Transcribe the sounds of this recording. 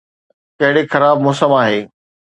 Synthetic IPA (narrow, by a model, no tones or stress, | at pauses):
kɐɦɪɽexɐɾaːbmɔːsəmaːɦeː